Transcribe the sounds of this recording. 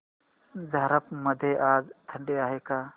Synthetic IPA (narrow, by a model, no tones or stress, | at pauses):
zəɦɾəpməd̪ʱeːʔaːd͡ʒt̪ʰəɳɖeːaːɦeːkaː